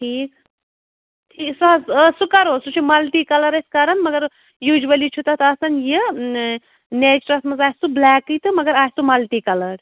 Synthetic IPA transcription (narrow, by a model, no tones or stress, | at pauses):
ʈʰiːk | ʈʰiːksɐɦɐssukɐɾoːsut͡ʃʰumɐlʈiːkɐlɐɾɐskɐɾɐnmɐɡɐɾ | juːd͡ʒʋɐlit͡ʃʰut̪ɐt̪ɐɐsɐnji | net͡ʃɾɐsmɐzaːsublaːkːɨt̪ɨmɐɡɐɾaːsumɐlʈikɐlɐɾ